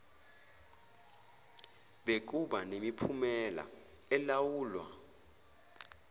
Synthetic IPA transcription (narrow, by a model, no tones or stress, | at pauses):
ɓek̬uɓanemipʰumɛla̰ | ɛlawuːlwa̰